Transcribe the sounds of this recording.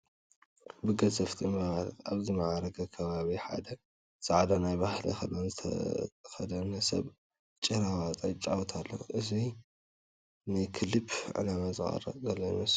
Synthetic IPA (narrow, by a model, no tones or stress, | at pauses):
bɨɡɐzɐft̪ʰimaβzimaʕaɾɐɡɐkʰɐβaβiħa̰d̪ɐ | z̥ɨʕad̪ɐnajbahlḭxɐlːonzɨt̪ʰɐ̰xɐd̪ɐnɐsɐ̰β | t͡ʃʼɐɾawat͡s̪ʼɐjt͡ʃʼawt̪ʰalːo̰ʔɨzi | nɨkʰɨlɨbʕɨ̰lamazɨxʼɐ̰ɾɐ̰zɐlːɐjmɐs